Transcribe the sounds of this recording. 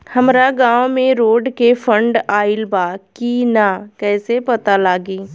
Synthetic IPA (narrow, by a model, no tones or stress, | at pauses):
hɐmɾaɡãːwmẽɾoːɖkefʰə̃ɳɖaːɪlbaːkinakɛːsepɐt̪alaːɡiː